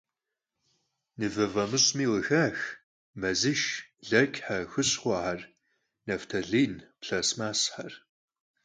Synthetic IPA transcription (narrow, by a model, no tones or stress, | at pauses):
nɨvɐvɐmɨɕʼmiːwəxaːx | mɐzɨʃɮɐkʲʼħaxɨɕχʷɑħar | nɐftʰɐɮiːnpɬɐsmaːsħar